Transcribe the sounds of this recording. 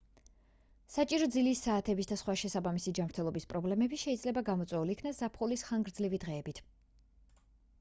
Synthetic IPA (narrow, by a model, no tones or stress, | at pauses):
sat͡ʃʼiɾɔd̪zilisːaːt̪ʰɛbisd̪asχwaʃɛsabamisid͡ʒamɾt̪ʰɛlˠɔbispʼɾɔblɛmɛbiʃɛid̪zlɛbaɡamɔt̪sʼwɛuliːkʰnasz̥apʰχulisχaŋɡɾd̪zlivid̪ʁɛːbit̪ʰ